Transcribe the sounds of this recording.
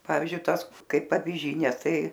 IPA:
ˈpɑːʋʲiːzʲd͡ʒʲʊɪ ˈtɑːs ˈkɐɪp ɐʋʲɪˈʒʲiːnʲeː ˈtɐɪ

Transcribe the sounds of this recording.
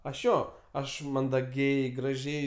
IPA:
ˈɐʃ ˈjoː ˈɐʃ mɐndɐˈɡʲɛɪ ɡrɐˈʒʲɛɪ

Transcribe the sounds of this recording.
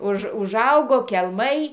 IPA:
ˈʊʃ ʊʒˈɐʊɡoː kʲɛlˠˈmɐɪ

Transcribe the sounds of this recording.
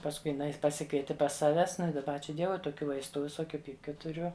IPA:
pɐsˈkʊɪ jɪˈnɐɪ pɐˈsʲɪkʋʲiɛtʲɪ pɐs ˈsɑːʋʲɛs ˈnʊ ɪ dɐˈbɐ ˈɑːt͡ʃʲuː ˈdʲiɛʋʊɪ toːˈkʲuː ˈʋɐɪstʊ ʋʲɪˈsoːkʲʊ ˈpʲiːpʲkʲʊ tʊˈrʲʊ

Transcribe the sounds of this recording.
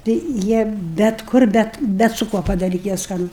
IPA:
ˈtɐɪ ˈjiɛ bʲɛt ˈkʊr ˈbʲɛt ˈbʲɛt sʊ ˈkuɔ pɐdɐˈrʲiːtʲɪ jiɛ ˈskɑːnʊ

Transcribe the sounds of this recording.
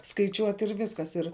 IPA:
skɐɪˈt͡ʃʲuɔtʲ ɪr ˈʋʲɪskɐs ɪr

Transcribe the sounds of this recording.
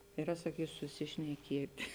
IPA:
ɪˈrɐ sɐˈkʲiːsʊ sʊsʲɪʃʲnʲɛˈkʲeːtʲɪ

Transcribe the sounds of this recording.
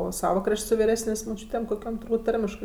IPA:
oː ˈsɑːʋɐ ˈkrɐʃʲtʲ sʊ ʋʲɪˈrʲæːsʲnʲeːsʲ moːˈt͡ʃʲuːtʲeːm koːˈkʲoːm tʊrˈbuːt ˈtɐrʲmʲɪʃkɜ

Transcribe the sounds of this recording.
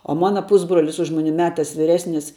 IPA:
oː ˈmɑːnɐ ˈpʊzbroːlʲɪs ʊʃ ˈmʊnʲɪ ˈmʲæːtɐs ʋʲiːˈrʲæːsʲnʲɪs

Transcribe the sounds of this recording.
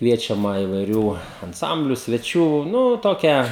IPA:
ˈkʋʲiɛt͡ʃʲɛmɐ ɪʋɐɪˈrʲuː ɐnˈsɐmʲbʲlʲʊ sʲʋʲɛˈt͡ʃʲuː ˈnʊ ˈtoːkʲɛ

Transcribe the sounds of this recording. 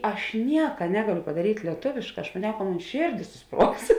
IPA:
ˈɐʃ ˈnʲiɛkɐ ˈnʲæːɡɐˌlʲoː pɐdɐˈrʲiːtʲ lʲiɛˈtoːʋʲeːʃˌkɑː ɐʃ mɐˈnʲɛʊ kɐ ˈmoːn ˈʃʲeːrʲˌdʲeːs sʊˈspruɔks

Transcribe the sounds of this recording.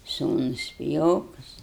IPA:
ˈsuːnʊs pʲɪˈjoːkʊs

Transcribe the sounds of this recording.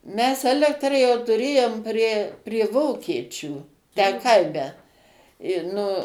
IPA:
mʲɛs ˈæːlʲɛktrɐ jɛʊ tʊˈrʲeːjoːm pʲrʲiɛ pʲrʲiɛ ˈʋoːkʲiɛt͡ʃʲuː tʲæː ˈkɐɪmʲɛ ɪ ˈnʊ

